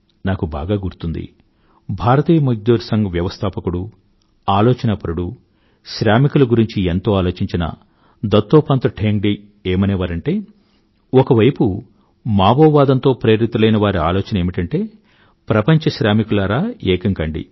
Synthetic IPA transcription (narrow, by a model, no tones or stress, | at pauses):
naːkubaːɡaːɡuɾut̪und̪ḭ | bʱaːɾɐt̪iːjɐmɐd͡ʒd̪uːɾsɐŋɡɐʋjɐʋɐst̪ʰaːpɐkuɽu | aːloːt͡ʃɐnɐpɐɾuɽu | ʃɾaːmikulɐɡuɾiɲt͡ʃient̪o̞ːaːlo̞ːt͡ʃiɲt͡ʃinɐ̰ | d̪ɐt̪ːoːpaːnt̪ɐʈʰeːŋɡɖe | eːmɐneːʋaːɾɐɳʈe̞ː | ɔkɐʋɐjpu | maːboːʋaːd̪ɐnt̪o̞ːpɾeːɾit̪ːɐlɐjnɐʋaːɾia̰ːloːt͡ʃɐnɐeːmiʈɐɳʈe̞ː | pɾɐpɐɲt͡ʃɐʃɾaːmikulaːɾaːɛːkɐŋkɐɳɖḭ